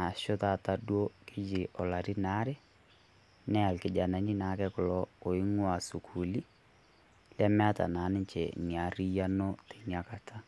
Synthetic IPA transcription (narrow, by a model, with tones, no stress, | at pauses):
a˨ʃʊ˦ta˨ta˨dwo˦kɪ˦d͡ʒɪ˨ʔɔ˨la˨ɾi˦na˦ɾe˦ | nɛ˦a˨lkɪ˨d͡ʒa˨na˨ɲi˦na˨˦kɛ˦kʊ˨lɔ˦o˨ɪ˦ŋwa˨su˨kʰu˨li˦ | la˦mɛ˦a˦ta̰˨na˨˦nɪ˦ɲt͡ʃɛ̰˨ŋi˨a˨ri˦ja˦no˦te˨ɲa˨ka˨tʰa˦